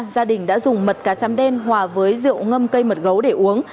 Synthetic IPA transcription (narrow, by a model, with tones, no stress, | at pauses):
zaː˧ɗï˨˩ŋ̟ɗa̰ː˧˥zʊ˨˩ŋ͡mmə˨˩t̚kaː˨˩t͡ɕaː˨˦mɗɛ˧nhwaː˨˩vəː˨˦jzɨ̰˧˨əwŋə˧mkə˧jmə˨˩t̚ɣə˨˦wɗe˧˩ʔu˨˦əŋ